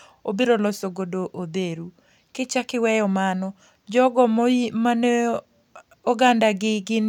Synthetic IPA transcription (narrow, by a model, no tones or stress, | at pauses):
obeɾolɔsoɡodoʔod̪eɾu | kɪt͡ʃakɪwɛjɔmanɔ | d͡ʒɔɡɔmoimane | oɡandaɡɪɡɪn